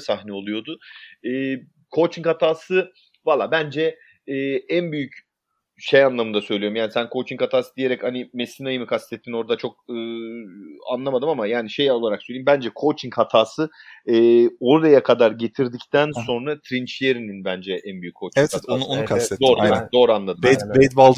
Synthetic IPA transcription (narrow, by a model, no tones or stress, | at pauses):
saxnɛo̞lˠujo̞d̪ʊɯː | kʰo̞t͡ʃʰiŋkat̪ʰaːsɯ | valˠːaːbænd͡ʒɛ | ɛːænbyjyc | ʃejanlˠamɯnd̪asø̞jlʲijoumjaːnisænkʰo̞t͡ʃʰiŋkat̪ʰaːsɯd̪ije̞ɾɛchanime̞sinajɯmɯkʰast̪ʰɛt̪ʰːino̞ɾd̪at͡ʃʰo̞k̚ɯː | a̰nlˠamad̪ɯmamajaːniʃe̞jo̞lˠaɾaksølʲejimbænd͡ʒɛkʰo̞t͡ʃʰiŋkʰhat̪ʰaːsɯɯːo̞ɾɾajakʰad̪aɾɟe̞t̪ʰiɾd̪ict̪ʰænso̞nɾat̪ʰɾint͡ʃijeɾininbænd͡ʒɛʔænbyjyckʰːo̞t͡ʃiɛat̪ononuaed̪oːɾjaːd̪o̞ːɾanlˠad̪ɯb̪mbejt̪balˠ